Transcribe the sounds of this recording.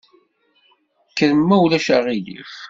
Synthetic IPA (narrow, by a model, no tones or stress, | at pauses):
kːəðəmːæwlæʃaʁilḭf